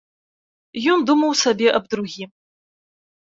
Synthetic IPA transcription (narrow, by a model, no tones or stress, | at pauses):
jumd̪umɐwsɐbʲiʔɐb̚d̪ɾuɣʲim